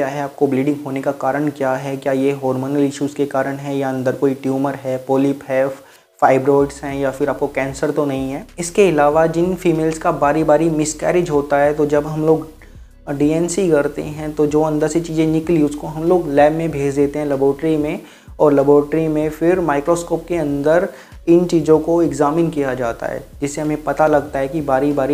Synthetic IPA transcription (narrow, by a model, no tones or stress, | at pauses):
kjaɦɛaːp̚kobliːɖɪ̃ŋɡɦoːnekakaːɾəɽ̃kjaːɦɛkjaːjeɦɔːɾmoːnəlɪʃuːzkekaːɾəɽ̃ɦɛ̃jaɐ̃nd̪əɾkoːiʈjuːməɾɦɛpoːlɪpɦɛː | faːɪbɾɔːɪɖsɦɛ̃jafɪɾaːp̚kokɛ̃ːnsəɾt̪onɐɦĩɦɛːɪskeɪlaːʋad͡ʒɪnfiːmeːlskabaːɾibaːɾimɪskɛ̰ːɾɪd͡ʒɦoːt̪aɦɛt̪od͡ʒɐbɦɐmloːɡ | ɖiːɛːnsikɐɾt̪ḛɦɛ̃t̪od͡ʒoːɐ̃nd̪əɾset͡ʃiːzẽnɪkliʊskoɦɐmloːɡlɛːbmẽbʱeːd͡ʒd̪eːt̪eɦɛ̃lɐboːʈɾimẽ | ɔːɾlɐboːɾʈɾimẽfɪɾmaːɪkɾoːskoːp̚keɐ̃nd̪əɾ | ɪnt͡ʃiːzõkoɪɡzaːmɪnkijad͡ʒaːt̪a̰ɦɛ̰ːd͡ʒɪsːeɦɐmẽpɐt̪alɐɡ̚t̪aɦɛkibaːɾibaːɾi